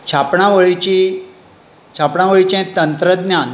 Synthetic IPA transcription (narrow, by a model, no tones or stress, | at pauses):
t͡ɕʰapɳaʋəɭit͡ɕi | t͡ɕʰapɳaʋəɭit͡ɕɛ̃t̪ənt̪ɾəd̪njan